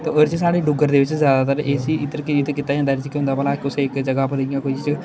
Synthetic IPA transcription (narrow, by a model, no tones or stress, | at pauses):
t̪ooɾt͡ʃesaːɽeːɖʊɡəɾd̪eːʋɪt͡ʃzjaːd̪at̪əɾʔeːsiːɪt̪əɾkɪt̪kɪt̪ːaːiə̃nd̪aːɾit͡ʃəkiɦʊ̃nd̪aːbəːlakʊseɪkd͡ʒəɡapəɾɪjãːkoːt͡ʃit͡ʃ